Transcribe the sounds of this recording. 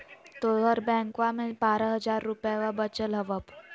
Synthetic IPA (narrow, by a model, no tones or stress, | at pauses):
t̪oɽəɾbɛ̃ŋkʋamepaɾəɦəd͡zaɾːupjaʋabət͡ɕəlɦəʋəp